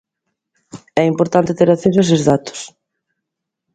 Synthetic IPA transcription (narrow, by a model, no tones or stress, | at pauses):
ɛimpoɾt̪ant̪ɪt̪eɾaθesʊɛsɪzðat̪ʊ̥s